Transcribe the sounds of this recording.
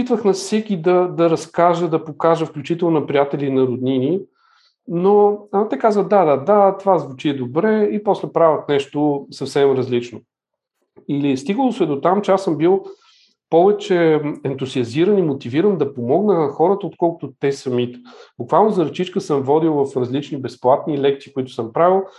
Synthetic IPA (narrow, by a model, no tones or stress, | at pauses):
it̪vəxnɐfsɛkʲid̪ɐd̪ɐɾɐskaʒəd̪ɐpokaʒəfklʲut͡ʃit̪ɛlˠnnɐpɾijat̪ɛlinɐɾʊd̪nini | not̪ɛkazvəxd̪ad̪ad̪at̪ovazvʊt͡ʃiɛd̪obɾɛipɔslɛpɾavʲət̪nɛʃt̪osɐfsɛmɾɐzlit͡ʃno | ilist̪iɡəlˠʊsvɛd̪ot̪amt͡ʃɛasəmbilˠ | pɔvɛt͡ʃɛɛnt̪uziɐziɾənimot̪iviɾənd̪ɐpomɔɡnənɐxɔɾət̪əot̪kɔlˠkʊt̪ʊt̪ɛsɐmit̪ɛ̥bʊkvalˠnozɐɾt͡ʃit͡ʃkəsəmvɔd̪ilˠvɐfɾɐzlit͡ʃnibɛsplˠat̪nilɛk̚t̪siːkʊit̪ʊ̥sɤmpɾavilˠ